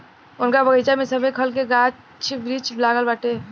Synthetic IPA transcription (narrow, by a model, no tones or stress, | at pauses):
ʊnkabəɡət͡ʃamesəbʱekʰəlkeɡat͡ʃ | t͡ʃʰibɾit͡ʃblaɡəlbaʈe